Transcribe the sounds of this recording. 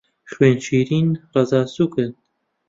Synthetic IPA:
χweːnt͡ʃiːɾiːnrɑzaːsuːkɨn

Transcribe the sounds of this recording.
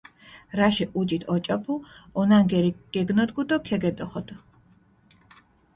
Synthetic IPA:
ɾaʃɛʔud͡ʒit̪ʰɔt͡ʃʼɔpʰuɔnaŋɡɛɾiɡ̥ɛɡnɔd̪ɡud̪ɔkʰɛɡɛd̪ɔχɔd̪ɔ

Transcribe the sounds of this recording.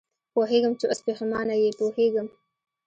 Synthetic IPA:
poɦeɡəmt͡ʃeʔaspehɪmɑnajepoheɡəm

